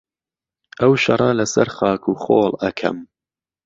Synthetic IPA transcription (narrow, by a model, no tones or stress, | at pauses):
ʔɐwʃɐ̰rˤɐlɐsɐɾxɑːkʰuːxoːlɐkʰɐ̰m